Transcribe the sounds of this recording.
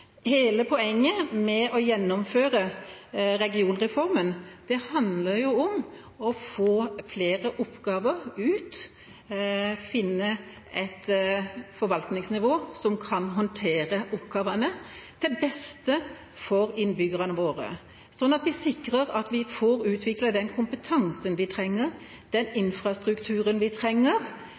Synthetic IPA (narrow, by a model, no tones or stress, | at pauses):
heːləpʰɔɛŋːəmɛɔjɛnːɔmføːɾə | ɾɛɡɪuːnɾɛfɔɾmənd̪̥ɛhɑnd̪ləɾjʊɔm | ɔfoːfleːɾəʔʊpːɡɑːʋəʁʉːt̪ | fɪnːə | ɛt̪ | fɔɾʋɑlt̪nɪŋsnɪʋoːsɔmkʰɑnɦɔnt̪ʰeːɾəʔɔpːɡ̥ɑːʋɑnət̪ʰɛlbɛst̪ə | fɔɾɪnbʏɡəʁɑnəʋoːɾə̰ | sɔnːɑt̪ʋɪsɪkːɾəʁɑt̪ʋɪfɔɾʉːt̪ʰʋɪkləd̪ɛnkʰʊmpət̪ʰɑŋsənʋɪt̪ʰɾɛŋːəɾ | d̪̥ɛnɪnfʁɑst̪ɾʉkt̪ʰʉːɾənʋɪt̪ʰɾɛŋːəɾ